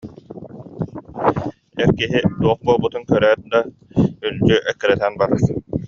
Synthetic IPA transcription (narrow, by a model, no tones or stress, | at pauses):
ɛɾkiɦid̪uɔχ̚buɔːlˠbut̪ɯŋkœɾæːt̪̚d̪a | yld͡ʒyʔɛkːɛɾɛt̪ænbaɾasɯ